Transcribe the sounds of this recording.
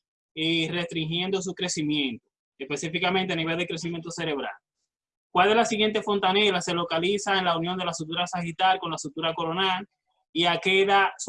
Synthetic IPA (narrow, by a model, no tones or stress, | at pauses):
ire̞st̪ɾiŋxje̞nd̪o̞s̬ukɾe̞simjẽnt̪o | espe̞sifikamẽnt̪eaniβe̞ld̪ekɾes̬imjent̪ose̞ɾe̞β̞ɾa̰l | kwale̞zlasiɣje̞nt̪e̞fo̞nt̪ane̞lase̞lo̞kalisaenlaunjo̞nd̪e̞lasut̪̬uɾasahit̪alko̞nlasut̪uɾako̞ɾo̞nal | iakeðas